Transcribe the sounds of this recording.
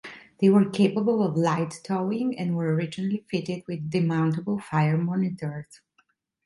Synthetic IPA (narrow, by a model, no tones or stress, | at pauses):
ðeɪwəɹkʰeɪpəbəlˠɔvlaɪtːʰɔɪ̃ŋɛ̃nwəɹɔɹɪd͡ʒɪnəlifɪɾɪd̚wɪðːɪmãʊ̃ntəbl̩ˠfajəɹmɔnɪtəɹz̥